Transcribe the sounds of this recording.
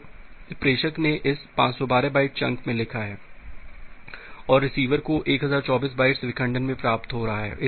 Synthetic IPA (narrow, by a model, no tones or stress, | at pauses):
pɾeːʃəkneʔɪspãːt͡ʃsɔbaːɾebaːɪʈ̚t͡ʃɐ̃ŋkmẽlɪkʰaɦɛː | ɔːɾːɪsiːʋəɾkoʔeːkɦɐzaːɾt͡ʃɔːbiːs̬baːɪʈsʋɪkə̃ɳɖənmẽpɾaːpt̪ɦoɾɐɦaɦɛ̰ːʔɪ